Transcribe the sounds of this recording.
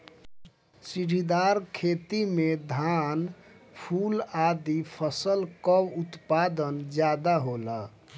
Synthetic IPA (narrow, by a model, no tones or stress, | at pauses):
siɖʱid̪aɾkʰeːt̪imed̪ʱan | pʰulad̪ipʰəsəlkəwut̪pad̪ənd͡ʒjad̪aɦola